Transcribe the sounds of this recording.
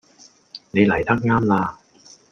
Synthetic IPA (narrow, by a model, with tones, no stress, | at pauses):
ne˨˧jlɐ˨˩jt̪ʰɐ˦˥k̚ŋaː˥mlaː˧